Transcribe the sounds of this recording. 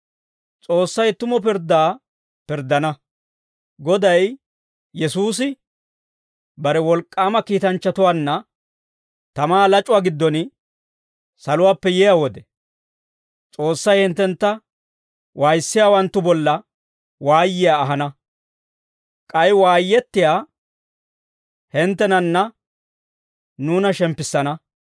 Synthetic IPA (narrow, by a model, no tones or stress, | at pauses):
t͡sʼo̞ːsːɐjt̪ʊmɔp̬ɪɾd̪aː | pɪɾd̪ːɐnɐ | ɡɔd̪ɐj | jɛsuːs̬ɪ | bɐɾɛwɔlkʼːaːmɐkiːt̪ɐnt͡ʃːɐt̪ʊwaːnːɐ | t̪ɐmaːlɐt͡ʃʼʊwaːɡɪd̪ːɔn | sɐlʊwaːpːɛjɛjawɔd̪ɛ | t͡sʼo̞ːsːɐjhɪnt̪ːɛnt̪ːɐ | wʔaːjsːɪjaːwɐnt̪ːʊbɔlːɐ | waːjːɪjaːɦɐnɐ | kʼɐjwaːjːɛt̪ːɪjaː | hɪnt̪ːɛnɐnːɐ | nuːnɐʃɛmpːɪsːɐnɐ